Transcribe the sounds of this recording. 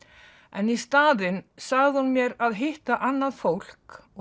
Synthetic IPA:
ɛnist̪aːðɪnsaɣðɪhunmjɛɾaðɦɪht̪aʔanːaðfowl̥kɔ

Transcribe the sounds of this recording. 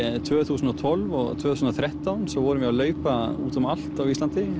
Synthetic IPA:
t̪ʰvœːθuːsnɔt̪ʰvɔlvɔ̰ɣt̪ʰvœːθusnɔθʰɾɛht̪awnsɔwvɔɾʏvɪɣalœːɥpaṵːt̪amal̥t̪awist̪lant̪ɪ

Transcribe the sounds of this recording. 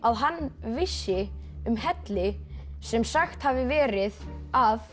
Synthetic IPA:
aðɦanːvɪsːɪʏmhɛt̪lɪsɛmsaxt̪haːvɪvɛːɾɪðav

